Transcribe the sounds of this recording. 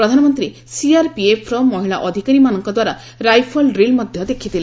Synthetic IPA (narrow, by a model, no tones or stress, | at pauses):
pɾɔd̪ʱanɔmɔnt̪ɾi | siaɾpiepʰːɾɔmːɔɦiɭa̰ʔɔd̪ʱikaɾimanɔŋkɔd̪waɾa | ɾajpʰɔlɾilmɔd̪ʱjɔd̪ekʰit̪ile